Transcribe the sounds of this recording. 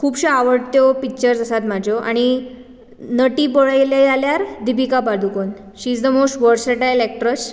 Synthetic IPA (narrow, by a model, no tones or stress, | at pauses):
kʰuːbɕaaʋəɽt̪jopik̚t͡ɕəɾd͡zəsat̪mad͡ʑʱoʔa̰ɽ̃i | nəʈipɔɭajlajaljaɾd̪ibikapad̪ʱukon | ɕiːd͡zd̪əmosʈʋəɾseʈajlɛk̚ʈɾəs